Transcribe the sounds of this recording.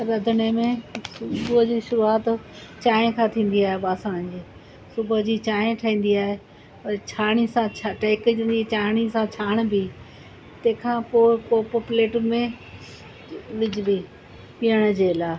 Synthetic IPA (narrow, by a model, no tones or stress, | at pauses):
ɾɐd̪ʱənemẽsʊbʊd͡ʑiːʃʊɾuaːt̪t͡ɕaːẽkʰãt̪ʰĩːn̆d̪iaːɦebaːsaːɽ̃d͡ʑiː | sʊbd͡ʑiːt͡ɕaːẽʈʰaĩːn̆d̪iaːɦe | ɐt͡ɕʰaːɽ̃isãt͡ɕʰaʈeːkd͡ʑnit͡ɕaːɽ̃isãt͡ɕʰaːɽ̃bi | t̪ẽːkʰãːpoːɪkopopleːʈmẽ | ʋɪd͡ʑɪbi | pijəɽ̃əd͡ʑeːlaː